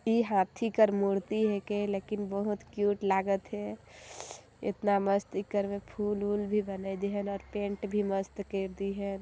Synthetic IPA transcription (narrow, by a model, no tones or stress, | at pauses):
iɦãt̪ʰikəɾmuɽt̪iɦekelekinbəɦut̪kjuʈlaɡət̪ɦɛ | ḛt̪naməst̪ikəɾmepʰululbʱibənəɪd̪iɦənɔːɾpẽɳʈbʱiməst̪keɾd̪iɦɛn